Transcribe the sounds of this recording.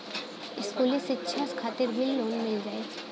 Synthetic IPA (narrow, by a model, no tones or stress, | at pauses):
ɪskuːlisɪtːʃʰaskʰaːt̪ɪɾbʱɪlːoːnmɪld͡ʒaːe